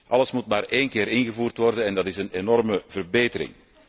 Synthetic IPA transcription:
ʔɑləsmutmaːreːnkɪːɾɪnɣəvuːrtʋɔrdənɛndɑtɪsənenɔrməvərbeːtəɾɪ̰ŋ

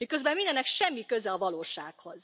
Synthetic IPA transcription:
mikøzbɛmind̪ɛnːɛkʃɛmːikø̞zɛɒvɒloːʃaːkho̞z̥

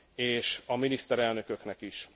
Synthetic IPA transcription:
eːʃɒminist̪ɛɾɛlnø̞kø̞knɛkiʃ

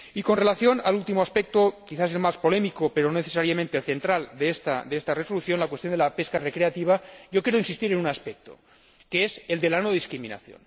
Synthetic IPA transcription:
iko̞nre̞laθjo̞nalult̪imoaspe̞k̚t̪okiθas̬elmaspo̞le̞mikope̞ɾononeθesaɾjamẽnt̪elθe̞nt̪ɾald̪eest̪a̰d̪eest̪areso̞luθjo̞nlakwest̪jo̞nd̪elape̞skare̞kɾe̞at̪iβ̞aʝo̞kjeɾoinsist̪iɾe̞nunaspek̚t̪o̞̰ | keese̞ld̪e̞lanoðiskɾimĩna̰θjo̰n

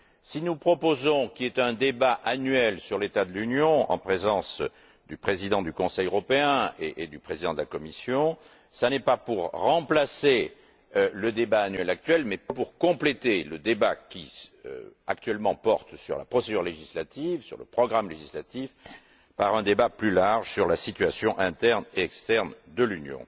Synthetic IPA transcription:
sinupχɔpozɔ̃kʲiɛt̪ɛ̃d̪ebaʔanɥɛlsyʁlet̪ad̪əlynjɔ̃ɑ̰̃pχezɑ̃s | d̪ypχezid̪ɑ̃d̪ykɔ̃sɛjøʁɔpeɛ̃eʔed̪ypχezid̪ɑ̃d̪əlakɔmisjɔ̃ | sanɛpapuʁːɑ̃plase | øləd̪ebaːnɥɛlak̚t̪ɥɛlmɛpuʁkɔ̃plet̪eləd̪ebakʲḭ | ak̚t̪ɥɛlmɑ̃pɔʁt̪sy̰ʁlapχɔsed̪yʁleʒislat̪ivsy̰ʁlə̰pχɔɡʁamleʒislat̪if | paʁɛ̃d̪ebaplylaʁʒsyʁlasit̪ɥasjɔ̃ʔɛ̃t̪ɛʁneɛkst̪ɛʁnd̪əlynjɔ̰̃

